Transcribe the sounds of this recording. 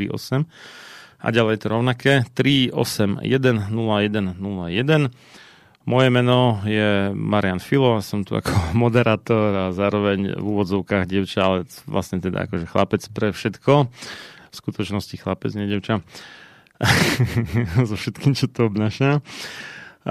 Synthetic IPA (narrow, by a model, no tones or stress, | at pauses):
ɾḭʔɔ̰sɛm | a̰ɟalɛjɛt̪ɔɾɔʊnakɛːt̪ɾiɔ̰sɛmjɛd̪ɛnnulajɛd̪ɛnnulajɛd̪ɛn | mɔjɛmɛnɔjɛmaɾɪanfilɔasɔmt̪ua̰kʰɔmɔd̪ɛɾaːt̪ɔɾazaːɾɔʋɛɲvuːʋɔd͡zɔʊkaːɣɟɪɛʊt͡ʃaalɛʋla̰sɲɛt̪ɛd̪a̰a̰kɔʒɛxlapɛt͡spɾɛfʃɛt̪kɔ | fskut̪ɔt͡ʃnɔscixlapɛd͡zɲɛɟɛʊt͡ʃa | zɔfʃɛt̪kiːmt͡ʃɔt̪ɔɔbnaʃa